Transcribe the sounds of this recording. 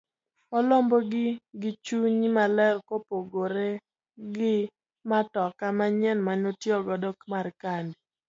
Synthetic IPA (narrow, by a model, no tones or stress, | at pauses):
ɔlɔmbɔɡɪɡɪt͡ʃuɲimalɛlkopoɡoɾe | ɡɪ | matɔkamaɲɛnmaɲotjɔɡɔdɔkmarkandi